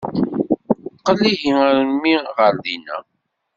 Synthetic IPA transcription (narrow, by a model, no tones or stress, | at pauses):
θqəlːiʝiæɾəmiʁəɾðinæ̰